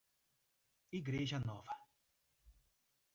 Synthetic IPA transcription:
iɡɾeʒɐnɔvɐ

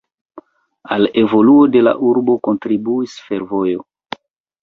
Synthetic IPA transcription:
ale̞vo̞luode̞la̰ʔuɾbo̞ko̞ntɾibuisfe̞ɾvo̞jo

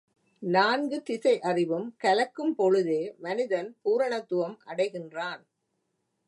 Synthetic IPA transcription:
naːnɡɯt̪ɪsɐɪʔɐrɪʋɯmkɐlɐkːɯmpɔɻɯðeːmɐnɪðɐnpuːɾɐɳɐt̪ːʊʋɐmʔɐɽɐɪɣɪndraːn

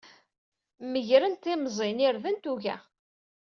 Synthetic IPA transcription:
məʝɾənt̪ɪmzˤenɪɾðənt̪uʝæ̰

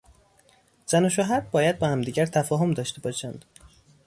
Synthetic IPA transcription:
z̥ænoʃoɦæɾbɒːjæd̪̚bɒːhæmd̪iːɟæɾt̪ʰæfɒːɦomd̪ɒːʃt̪ebɒːʃænd̪̥

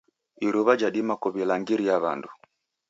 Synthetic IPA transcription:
iɾuβad͡ʒaɗimakɔβilaŋɡiɾijaβa̰ndu

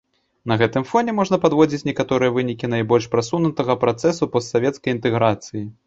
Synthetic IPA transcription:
nɐɣɛt̪ɨmfɔnʲɛmɔʐnɐpad̪vɔd͡zʲit͡sʲnʲɛkat̪ɔɾɨjɐvɨnʲikʲin̪ajbɔlʲʂpɾasunut̪ɐɣɐpɾat̪sɛsupɔst̪savʲɛt̪skɐjint̪ɛɣɾat̪sɨji

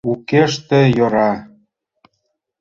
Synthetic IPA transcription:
ukeʃt̪ĕjoɾɑ

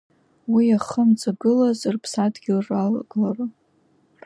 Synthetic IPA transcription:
wiaχəmt͡sʼaɡɨlazɨrpʰsadɡʲilralaɡlaru

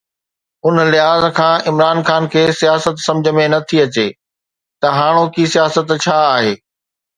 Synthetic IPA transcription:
ʊn̆lɪɦaːzkʰãːɪmɾaːnxaːnkʰeːsijaːsət̪sɐ̃md͡ʑʱəmẽnɐt̪ʰiɐt͡ɕeː | t̪ɐɦaːɽ̃okisijaːsət̪t͡ɕʰaːɦeː

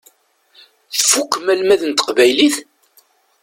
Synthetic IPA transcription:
θfukːəmælmæðənt̪ə̥qvæjliθ

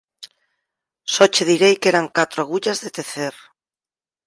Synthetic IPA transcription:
sot͡ʃeðiɾejkeɾaŋkat̪ɾoaɣ̞uʎazðet̪eθeɾ

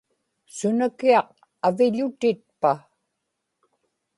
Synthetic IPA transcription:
sʊnakiɑq̚ | avɪʎʊt̪ɪt̪̚pa

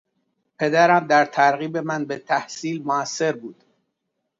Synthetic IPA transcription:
pʰe̞d̪æɾæmd̪æɾt̪ʰæɾɣiːbe̞mænbet̪ʰæhsiːlmoæsːe̞ɾbuːd̪̥

